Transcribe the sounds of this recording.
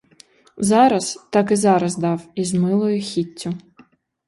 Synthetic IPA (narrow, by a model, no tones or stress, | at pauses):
zɑɾɐst̪ɑkɪzɑɾɐzd̪ɑwizmɪlˠɔjʊxʲitʲːʊ